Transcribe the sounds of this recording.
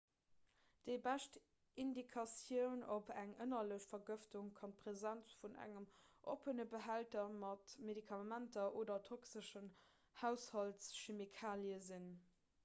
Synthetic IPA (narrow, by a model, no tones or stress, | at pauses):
d̥əɪbæʃt | indikʰɑsjəʊnopʰæŋʔənɐləɕfɐɡəftuŋkʰɑnpʁ̥ezænt͡sfunʔæ̰ŋəmʔo̰pənəbəɦæltɐmɑtmedikʰɑmæntɐʔoːdɐtʰoksəʃən | hæʊshɑltsʃemikʰaːljəzin